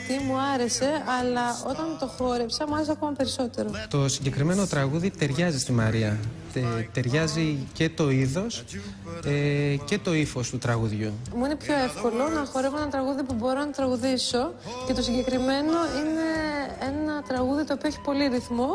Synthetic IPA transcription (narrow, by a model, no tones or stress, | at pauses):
t̪imuɐɾe̞se̞ɐlɐo̞t̪ɐnt̪o̞xo̞ɾe̞psɐmuɐɾes̬ɐko̞mɐpe̞ɾiso̞t̪e̞ɾo̞t̪o̞siɲɟe̞kɾime̞no̞t̪ɾɐɣuðit̪e̞ɾʝɐzist̪imɐɾiɐ | et̪e̞ɾʝɐzice̞t̪o̞iðo̞s | ece̞t̪o̞ifo̞st̪ut̪ɾɐɣuðʝumuine̞pço̞e̞fko̞lo̞nɐxo̞ɾevoenɐt̪ɾɐɣuðiopubo̞ɾo̞nɐt̪ɾɐɣuðiso̞ce̞t̪o̞siɲɟe̞kɾime̞no̞ine̞enɐt̪ɾɐɣuðit̪oːpioeçi̥po̞liɾiθmo